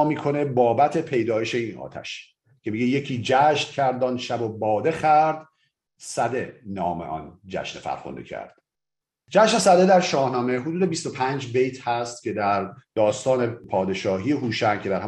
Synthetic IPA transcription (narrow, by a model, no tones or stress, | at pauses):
miːkʰo̞ne̞bɒːbæt̪ʰe̞pʰe̞jd̪ɒːjeʃe̞iːnʔɒ̰ːt̪ʰæ̰ʃ | cʰemiːɟeje̞cʰiːd͡ʒæʃncʰæɾd̪ɒːnʃæbo̞bɒːd̪e̞xæɾd̪ | sæd̪e̞nɒːmḛʔɒ̰nd͡ʒæ̰ʃnefæ̰ɾxond̪ḛcʰæ̰ɾd̪̥ | d͡ʒæʃne̞sæd̪e̞d̪æɾʃɒːhnɒːme̞ɦod̪uːd̪e̞bist̪o̞pʰænd͡ʒbe̞jt̪ʰhæst̪̚cʰʲe̞d̪æɾd̪̥ɒːst̪ɒːnepʰɒːd̪e̞ʃɒːɦiːeɦuːʃæncʰe̞d̪æɾh